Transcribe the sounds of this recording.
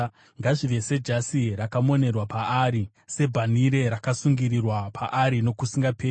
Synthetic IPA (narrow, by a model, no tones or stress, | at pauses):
ŋɡaʐiʋe̞se̞d͡ʒasiɾakamo̞ne̞rwapaaːɾi | se̞bʱaniɾe̞ɾakasuŋɡiɾirwapʰaʔaɾino̞kusiŋɡapʰeː